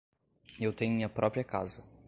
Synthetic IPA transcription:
ewt̪ẽj̃ɲʊ̃mĩɲɐpɾʔɔpɾiɐka̰zɐ

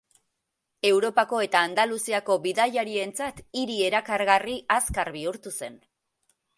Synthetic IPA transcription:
e̞wɾo̞pako̞e̞t̪aːnd̪alusiako̞βiðaʎaɾie̞nt͡sat̪iɾie̞ɾakaɾɣariʔaskaɾβiuɾt̪use̞n

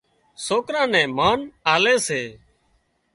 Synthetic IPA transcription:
soːkɾãːnɛ̃ːmaːnaːleːseː

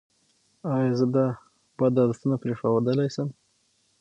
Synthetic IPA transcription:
ɑjɑzəd̪a | b̥ad̪ɑlst̪ənapɾeʂawad̪əlajsəm

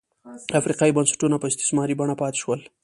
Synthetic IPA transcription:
afɾiqɑibansḁʈunapəɪst̪ɪ̥smɑɾibaɳapɑt̪e̥ʃwəl

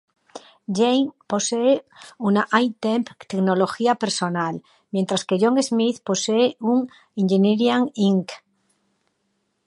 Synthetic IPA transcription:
ʝejŋpo̞seːunaʔajt̪empt̪eknoloxiapeɾsonal | mjent̪ɾaskeʝoŋezmiθpo̞seeuŋ | iŋʝeneɾjaŋiŋk

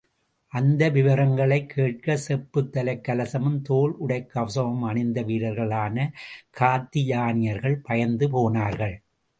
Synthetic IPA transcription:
ʔɐnd̪ɐʋɪʋɐɾɐŋɡɐɭɐɪkʰːeːʈ̚kɐsɛpːɯt̪ːɐlɐɪkːɐlɐsɐmɯmt̪oːlʊɽɐɪkːɐʋɐsɐʋɐmɐɳɪnd̪ɐʋiːɽɐɾɣɐɭaːnɐkʰaːt̪ːɪjaːnɪjɐɾɣɐɭpɐjɐnd̪ɯpoːnaːɾɣɐɭ

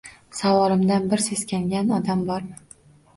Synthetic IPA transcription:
savɒlˠɪmd̪anbɪɾseskʲaŋɡʲanɒd̪ambɒɾ

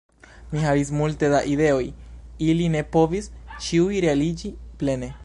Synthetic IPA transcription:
miɦavis̬multe̞daʔid̪e̞o̞jiline̞po̞vist͡ʃiujɾealid͡ʒiple̞ne̞

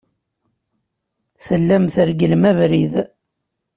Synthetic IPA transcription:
θəlːæmθəɾɡəlmævɾið

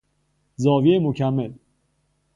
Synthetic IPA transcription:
zɒːvieemocʰæmːel

